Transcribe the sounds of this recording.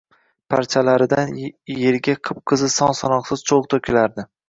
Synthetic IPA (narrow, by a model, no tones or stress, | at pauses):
pʰaɾt͡ʃʰalaɾɪd̪anje̞ɾɡʲaqʰɨp̚qʰɨzɪsɒnsɒnɒqsɪz̥t͡ʃʰoʁt̪ʰokʲɪlaɾd̪ɪ